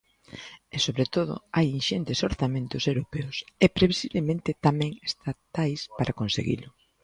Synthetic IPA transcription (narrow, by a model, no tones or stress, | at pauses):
ɛsoβɾet̪oðʊ̰ajinʃent̪esoɾθamẽnt̪ʊsewɾopeʊsɛpɾeβisiβlemẽnt̪ɪt̪amɛ̃ŋest̪at̪ajspaɾakonsḛɣḭlʊ